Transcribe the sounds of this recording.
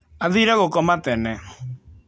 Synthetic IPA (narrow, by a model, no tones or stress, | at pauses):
aðiɾɛɣokɔmat̪ɛnɛ